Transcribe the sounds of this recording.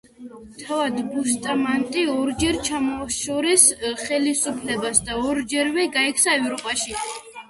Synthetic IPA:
t̪ʰavad̪bust̪ʼamant̪ʼiɔɾd͡ʒɛɾt͡ʃʰamɔʃɔɾisχɛlisupʰlɛbasd̪aɔɾd͡ʒɛɾvɛɡaɛkʰsaɛvɾɔpʼaʃi

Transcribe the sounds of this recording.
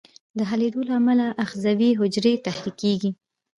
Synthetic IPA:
d̪əɦaled̪olaamalaʔaxzawiɦʊd͡ʒɾet̪ahɾikeɡi

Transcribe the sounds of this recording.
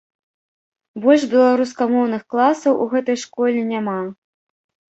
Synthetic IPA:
bɔlʲʂbʲɛlˠaɾuskamɔwnɨxklˠasɐwʔuɣɛt̪ɐjʂkɔlʲɛnʲama

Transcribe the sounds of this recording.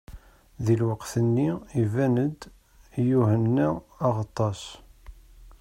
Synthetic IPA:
ðilwəqθənːiivænəd̪ | juhənːæːʁɑt̪ˤːɑs

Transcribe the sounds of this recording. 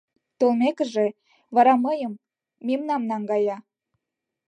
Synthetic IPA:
t̪olmekə̆ʒe | βɑɾɑmɤjəmː | imnɑmnɑŋɡɑjɑ

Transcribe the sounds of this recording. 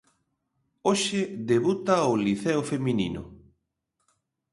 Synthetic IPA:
oʃɪðeβut̪aoliθɛofeminḭnʊ̰

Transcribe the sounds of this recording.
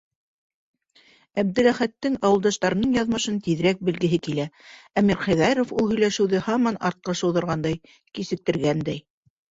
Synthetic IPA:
æb̚d̪ɘ̆læχæt̪ːɘŋɑwɤ̆lˠd̪ɑʃt̪ɑɾɤ̆nɤɴjɑðmɤ̆ʃɤnt̪iðɘ̆ɾæk̚bɘ̆lɡɘ̆ɦɘkilææmiɾχæ̆ðæɾofulˠhɵ̆jlæʃɘ̆wðɘhɑmɑnɑɾt̪̚qɑʃɤ̆wðɤ̆ɾʁɑnd̪ɑj | kisɘ̆k̚t̪ɘ̆ɾɡænd̪æj

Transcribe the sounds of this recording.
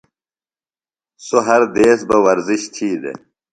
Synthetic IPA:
soɦɐɾd̪eːsbɐwɐɾziɕt̪ʰiːd̪ḛ

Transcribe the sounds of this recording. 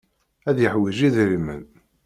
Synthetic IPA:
æðjəħwiʒiðɾimə̰n

